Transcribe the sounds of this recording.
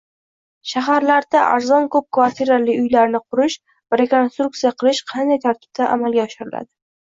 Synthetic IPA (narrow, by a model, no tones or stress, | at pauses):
ʃaɦaɾlaɾd̪aʔa̰ɾzɒnkʰɵp̚kvaɾt̪ʰiɾaliʊjlaɾnɪqʰʊɾɪʃ | vaɾe̞ko̞nst̪ɾuk̚t̪sijaqʰɨlˠɪʃqʰɑnd̪ajt̪ʰaɾt̪ʰɪ̥b̥̚t̪ʰaʔamalɡʲaɒʃɪɾɪla̰d̪ɪ